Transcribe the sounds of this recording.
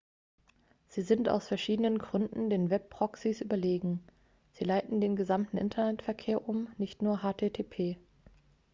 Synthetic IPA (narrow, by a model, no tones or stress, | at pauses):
z̥iːzɪnta̰ʊsfɛɐʃiːdənənɡʁʏndn̩deːnvɛpːʁ̥ɔksisʔyːbɐleːɡŋ̩ | z̥iːlaɪtn̩deːnɡəzamtn̩ʔɪ̰ntʰɐnɛtfɛɐkʰeːɐʔʊmnɪçtnuːɐɦaːtʰeːtʰeːpʰeː